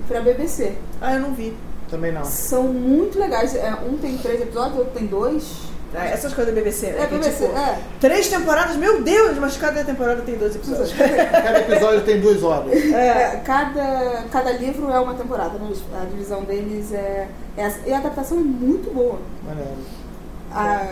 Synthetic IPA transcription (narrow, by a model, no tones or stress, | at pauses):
pɾɐbebeseaewnɐ̃w̃vi | t̪ɐ̃bẽj̃nɐ̃w̃sɐ̃w̃mũj̃t̪ʊleɡajsɛʔũt̪ẽj̃t̪ɾejzepizɔd͡ʒʊzot̪ɾʊt̪ẽj̃d̪ojʃ | aɛsɐ̃ɐʃkojzɐd̪ɐbebeseɛbebeseɛ | t̪ɾejʃt̪ẽmpoɾad̪ɐʃmewd̪ewʃmɐʃkad̪ɐt̪ẽmpoɾad̪ɐt̪ẽj̃d̪oɐzɪepizɔɐʊkad̪ɐepizɔd͡ʒʊt̪ẽj̃d̪uɐzɔbɐɛɛkad̪ɐkad̪ɐlivɾʊɛũmɐt̪ẽmpoɾad̪ɐnɐ̃sɐd͡ʒivizɐ̃w̃d̪elɪzɛ | ɛsiad̪ap̚t̪asɐ̃w̃ɛmũj̃t̪ʊbowɐmɐ̰neɾʊ | a